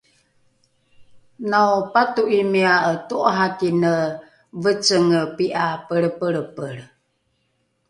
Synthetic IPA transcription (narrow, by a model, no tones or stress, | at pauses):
nawpatuʔimiaətuʔɦakinə | vət͡səŋəpiʔapəɾəpəɭəpəɾ